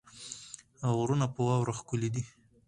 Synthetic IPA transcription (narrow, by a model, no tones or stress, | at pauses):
aɣɾunapəwɑwɾaxkʊlid̪i